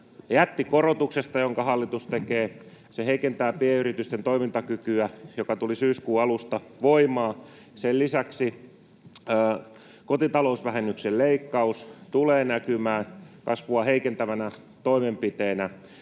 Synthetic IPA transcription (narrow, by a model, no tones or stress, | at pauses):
jæt̪ːikorot̪uksest̪ɑjoŋkɑhɑlːit̪ust̪ekeː | seheikent̪æːpieyrit̪yst̪ent̪oimint̪ɑkykyæjokɑt̪ulisyːskuːɑlust̪ɑʋoimɑː | sellisæksi | kot̪it̪ɑlousʋæhenːykselleikːɑust̪uleːnækymæːkɑsʋuɑheikent̪æʋænæ | t̪oimempit̪eːnæ